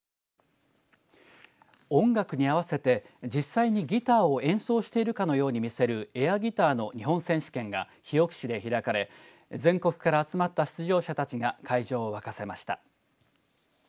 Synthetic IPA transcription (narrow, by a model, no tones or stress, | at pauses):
õ̞ŋɡakɯ̟ɲ̟iaβ̞ase̞t̪e̞ | d͡ʑisːaiɲ̟iɡʲit̪aːo̞ẽ̞ɰ̃so̞ːɕi̥t̪e̞iɾɯ̟kano̞jo̞ːɲ̟imʲise̞ɾɯ̟e̞aɡʲit̪aːno̞ɲ̟iɦõ̞sẽ̞ɰ̃ɕi̥kẽ̞ŋɡa̰ | çio̞kɯ̟̥ɕid̪e̞çiɾakaɾe̞ | zẽ̞ŋko̞kɯ̟̥kaɾaːt͡sɨmat̪ːaɕi̥t͡sɨʑo̞ːɕat̪at͡ɕiɡakaiʑo̞ːβakase̞maɕi̥t̪a̰